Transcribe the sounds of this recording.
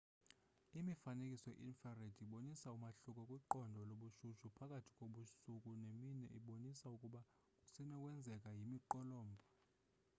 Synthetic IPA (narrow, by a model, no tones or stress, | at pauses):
imifanekʼisɔɛ̰ʔinfaredʰʱiɓonisaumaɬukʼɔkʼwiǃɔndʱɔloɓuʃuʃupʰakʼatʰi̥kʼoɓusukʼuneminɛ̰ʔiɓonisaukʼuɓa | kʼusinɛkʼwɛnd͡zʱɛk̬ʼajimiǃɔlɔːmbʱɔ